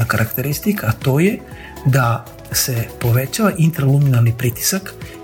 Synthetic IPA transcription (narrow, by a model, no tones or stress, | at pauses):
akaɾʔakt̪eɾist̪ikʰaːt̪o̞ːje | d̪a | sepo̞ʋet͡ɕaʋaʔint̪ɾaluminalˠnipɾit̪i̥sak